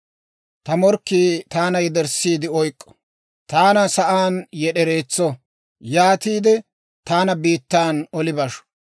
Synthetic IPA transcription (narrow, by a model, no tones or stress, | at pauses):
t̪ɐmɔɾkːiːt̪aːnɐjɛd̪ɛɾsiːd̪ɪɔjkʼːɔ̥ | t̪aːnɐsɐʔaːnjɛɗɛɾe̞ːt͡sːɔ | jaːt̪iːd̪ɛ | t̪aːnɐbiːt̪ːaːnɔlɪbɐʃɔ̥